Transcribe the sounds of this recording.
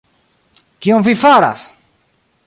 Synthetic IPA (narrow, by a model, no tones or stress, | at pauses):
kiõvifaɾa̰s